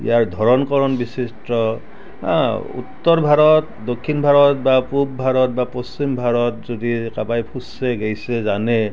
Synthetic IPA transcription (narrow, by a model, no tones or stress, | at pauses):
ḭjaɹdʱɔɹɔnkɔɹɔnbisisʈɔ | ã̰ṵtːɔɹbʱaɹɔt | dokʰːinbʱaɹɔt̚bapub̚bʱaɹɔtbapɔst͡ʃimbʱaɹɔt̚zodikabajpʰusɛɡejsɛzanɛ